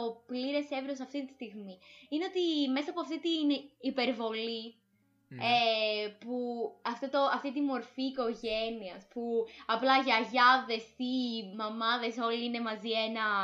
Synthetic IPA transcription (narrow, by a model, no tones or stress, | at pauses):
opliɾe̞se̞vɾiosɐft̪it̪i̥st̪iɣmiineo̞t̪ime̞sɐːpoɐft̪it̪inipe̞ɾvo̞li | epuɐft̪ot̪oɐft̪it̪imo̞ɾfiːko̞ʝe̞niɐspuɐplɐʝɐʝɐðe̞simɐmɐðe̞so̞liine̞mɐzie̞nɐ